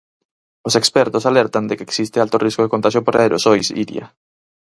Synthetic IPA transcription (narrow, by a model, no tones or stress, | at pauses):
osekspɛɾt̪osalɛɾt̪and̪ekeːksist̪ɪalt̪oriskoðekont̪aʃjopoɾaeɾo̰sojsḭɾj̰a̰